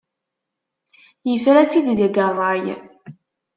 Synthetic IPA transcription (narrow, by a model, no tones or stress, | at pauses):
jəfɾæt͡sːid̪ðæɡərˤɑj